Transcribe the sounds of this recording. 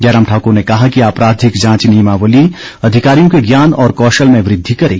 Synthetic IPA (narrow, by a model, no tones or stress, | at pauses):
d͡ʒaːɾaːmʈʰaːkuɾnekɐɦakiaːpɾaːd̪ʱɪkd͡ʒãːt͡ʃniːmaʋəli | ɐd̪ʱɪkaːɾijõkeɡjaːnɔːɾkɔːʃəlmẽʋɾɪd̪ʱːikɐɾḛːɡ